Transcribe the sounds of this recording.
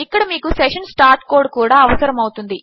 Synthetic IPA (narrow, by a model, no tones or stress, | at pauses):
ikːɐɽɐmiːkuseʂɐnsʈaːɾʈ̚koːɾɖ̚kuːɽaːɐʋɐsɐɾɐmɐwut̪und̪i